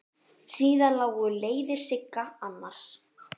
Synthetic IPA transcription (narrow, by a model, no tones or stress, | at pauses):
siːðalaːwɣʏleːjðɪɾ̥sɪkːaanːaɾ̥s